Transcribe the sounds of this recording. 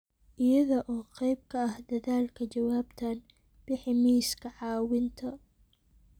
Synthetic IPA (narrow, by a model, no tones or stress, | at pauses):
ʔɪjɐðɔʔɔːqɛjb̚kʰɐɐhd̪ɐðaːlkʰɐt͡ʃɐwaːbt̪ʰɐn | b̥ɪħɪmiːskʰɐʕɑːwɪnt̪ʰɐ